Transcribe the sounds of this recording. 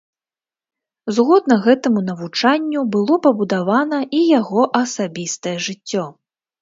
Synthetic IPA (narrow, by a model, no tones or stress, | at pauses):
zɣɔd̪̚nɐɣɛt̪ɐmunɐvut͡ʂanʲːubɨlˠɔpɐbud̪avanɐʔijaɣɔʔɐsabʲist̪ɐjɛʐɨt͡sʲːɔ